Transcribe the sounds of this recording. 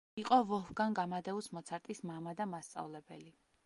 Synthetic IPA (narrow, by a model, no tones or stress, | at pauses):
iqʼɔvɔhɡaŋɡamad̪ɛusmɔt̪sʰaɾt̪ʼismamad̪amast̪sʼa̰vlɛbɛ̰li